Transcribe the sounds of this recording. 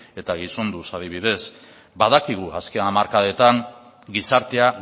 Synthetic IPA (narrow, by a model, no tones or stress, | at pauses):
e̞t̪aɣiso̞nd̪usaðiβ̞iðe̞s | baðakiɣ̞uaskeamaɾkaðet̪aŋ | ɡisaɾt̪e̞a